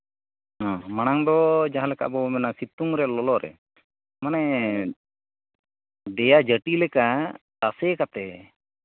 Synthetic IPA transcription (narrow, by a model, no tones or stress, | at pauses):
ɦãmañaŋd̪ɔd͡ʒaɦãlɛka̰ʔbɔmɛnasit̪uŋɾɛlɔlɔɾɛ̰ | manɛ | ɖɛjad͡ʒəʈilɛka | t̪asɛkat̪ɛ